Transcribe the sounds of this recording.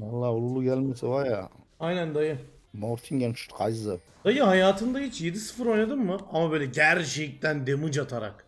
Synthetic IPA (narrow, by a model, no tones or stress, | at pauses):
walˠːaulˠulˠukʲʰælmesewaja | ajnænd̪ɑjɯ | moɾt̪ʰiŋɡʲant͡ʃʰu̥ʃt̪qʰɑjzzɯp | d̪̥ɑjɯɦajaːt̪ʰɯnd̪aɦet͡ʃʰje̞d̪isɨ̥fɯɾojnad̪ɯmːɯʔamabøjlʲɛɟæɾʃejik̚t̪ænd̪emɯd͡ʒat̪ʰaɾa̰k